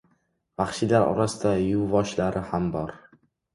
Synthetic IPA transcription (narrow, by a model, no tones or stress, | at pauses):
vaχʃɪlaɾɒ̰ɾasɪd̪ajʊvɒʃlaɾɪhambɒɾ